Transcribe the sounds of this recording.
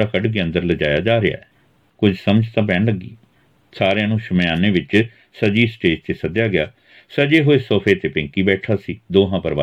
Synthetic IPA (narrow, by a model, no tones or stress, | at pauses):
aːkəɖɡeːə̃nd̪əɾləd͡ʒaːja̰ːd͡ʒaːɾɪja̰ːɛ | kʊd͡ʒʱsəməd͡ʒt̪ãːp̬ɛːɳləɡḭː | saːɾejãːnũːʃəmjaːneːʋɪt͡ʃ | səd͡ʒiːsʈeːd͡ʒt͡ʃesəd̪jaːɡɪjaː | səd͡ʒeːɦoːeːsoːpʰeːt̪eːpɪ̃ŋkiːbɛːʈʰaːsiːd̪oːɦãːpəɾʋaː